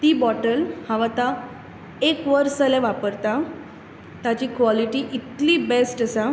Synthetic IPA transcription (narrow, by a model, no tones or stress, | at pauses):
t̪iːbɔʈəlhãʋat̪a | ekʋəɾsəleʋapəɾt̪a | t̪at͡ɕiːkʋɔliʈiʔit̪liːbesʈəsa